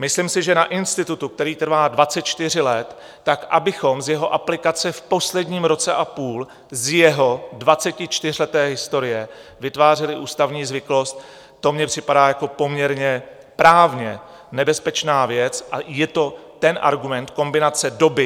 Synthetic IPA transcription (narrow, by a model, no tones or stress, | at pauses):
mɪslɪmsɪʒɛnaʔɪnst̪ɪt̪ut̪uk̚t̪ɛɾiːt̪r̩vaːdvat͡sɛt̪̚t͡ʃt̪ɪr̝ɪlɛt̪ː | akʔabɪxo̞mzjɛɦo̞ʔaplɪkat͡sɛfpo̞slɛdɲiːmɾo̞t͡sɛʔapuːl | zjɛɦo̞dvat͡sɛcɪt͡ʃt̪ɪr̝lɛt̪ɛːɦɪst̪o̞ɾɪjɛvɪt̪vaːr̝ɛlɪʔuːst̪avɲiːzvɪklo̞st̪̚ | t̪o̞mɲɛpr̝̥ɪpadaːjako̞po̞mɲɛɾɲɛ | pɾaːvɲɛ | nɛbɛspɛt͡ʃnaːvjɛt͡sʔajɛt̪o̞t̪ɛnʔa̰ɾɡumɛnt̪ko̞mbɪnat͡sɛdo̞bɪ